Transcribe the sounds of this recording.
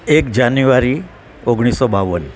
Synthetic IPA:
ekd͡ʒanjuʋaɾi | oɡɽ̃isɔbaʋən

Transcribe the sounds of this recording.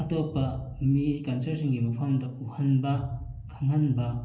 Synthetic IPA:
ɐtopːɐmikɐnsɐɾsiŋɡimɐpʰɐmdɐʔuhɐnbɐ | kʰɐŋhɐnbɐ

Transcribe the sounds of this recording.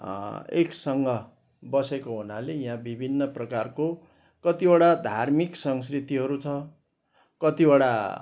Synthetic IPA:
ḛksʌŋɡʌ | bʌsekoɦunalejɦãbibʱinːʌprʌkarko | kʌt̪iaɽad̪ʱarmiksʌŋs̬krit̪iɦʌɾut͡sʰʌ | kʌt̪iboɽa

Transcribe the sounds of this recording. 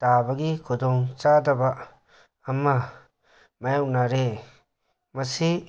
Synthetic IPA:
tabaɡikʰudɔŋt͡ʃadabaː | mːa | majawʔnaɾe | mɐsi

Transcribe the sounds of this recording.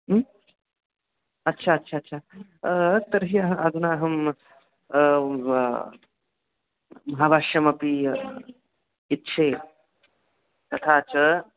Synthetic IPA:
ɐtːʃʰaɐtːʃʰaɐtːʃʰa | t̪əɾɦiɐɦɐɐd̪unaːɦɐm | mɐɦabʱaːʂjɐmɐpi | it̪ːt͡ʃʰeː | t̪ɐt̪ʰaːt͡ʃɐ

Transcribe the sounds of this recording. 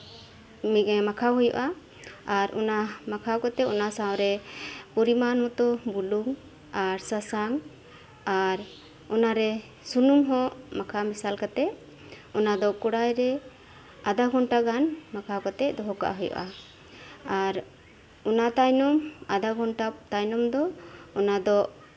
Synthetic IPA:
miʔɛmakʰawɦɔjɔ̰ʔa | aɾɔ̰namakʰawkat̪ɛɔnasawɾɛpɔɾimanhɔt̪ɔbuluŋ | aɾsasaŋ | aɾ | ɔnaɾɛ | sunuŋɦɔʔmakʰamisalkat̪ɛʔ | ɔnad̪ɔkɔɽajɾɛ | ad̪aɡʱɔɳʈaɡanmakʰakɔt̪ɛd̪ɔɦɔka̰ʔɦɔjɔ̰ʔa | aɾ | ɔnat̪ajnɔmad̪aɡʱɔnʈat̪ajnɔmd̪ɔɔnad̪ɔʔ

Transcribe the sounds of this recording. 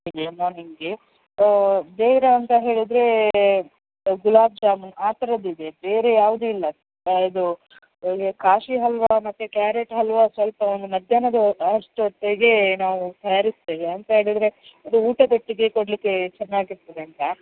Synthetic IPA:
ɡemaːɾniŋɡe | beːʋɾɐɐnt̪ɐɦe̞ːɭid̪ɾe̞ | ɡulaːb̚d͡ʒaːmɐnaːt̪ɐɾɐd̪id̪ebeːɾe̞jaːʋud̪uilːɐ | ɐd̪u | kaːʂiɦɐlʋamɐt̪ːukjaːɾeʈɦɐlʋasʋɐlpɐond̪umɐd̪ʱjaːnɐd̪ɐɐʂʈuɐʈ̪ːeɡe̞naːʋut̪ɐjaːɾist̪eːʋeɐnt̪ɐɦe̞ːɭid̪ɾe̞ɐd̪uuːʈɐd̪ɐʈːiɡe̞koɽlikːe̞t͡ʃɛnːaːɡiɾt̪ːɐd̪eɐnt̪ɐ

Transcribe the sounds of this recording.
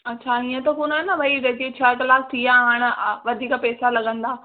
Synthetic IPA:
ɐtːɕʰaĩːə̃t̪ɐkunaːnɐʋɐiʋeːt̪it͡ɕʰɐkɐlaːkt̪iːãɦaːɽ̃̆ʋɐd̪ʱiːkpɛːsalɐɠə̃nd̪aː

